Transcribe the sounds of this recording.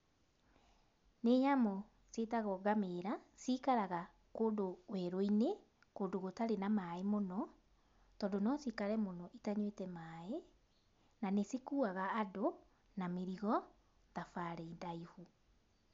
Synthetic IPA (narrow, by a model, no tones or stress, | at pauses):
neːɲamɔ | setaɣɔɡameɾasiːkaɾaɣa | koːndowɛɾoine | koːndoɣotaɾenamaemonɔ | tɔːdonɔsiːkaɾɛmonɔʔitaɲwetɛmaːe | nanesikuːaɣaːdo | nameɾiɣɔ | ðafaɾɛindaihu